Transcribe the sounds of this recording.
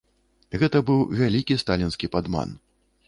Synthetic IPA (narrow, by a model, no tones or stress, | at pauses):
ɣɛt̪ɐbɨwvʲalʲikʲist̪alʲinskʲipad̪ma̰n